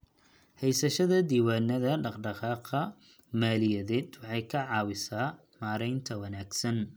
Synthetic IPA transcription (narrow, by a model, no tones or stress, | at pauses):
hɛjsɐʃɐðɐd̪iːwaːnɐðɐɖɑqɖɑqɑːqɐ | maːlɪjɐðɛːd̪wɑħɑjkʰɐʕɑːwɪsaː | maːɾɛjnt̪ʰɐwɐnaːɡsɐn